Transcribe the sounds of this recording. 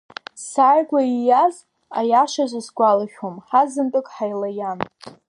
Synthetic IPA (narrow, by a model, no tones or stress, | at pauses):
saːrɡʷaijaz | a̰jaʂaʒʷɨsɡʷalaʃʲᶣomħazɨntʼɨkʼħajlajan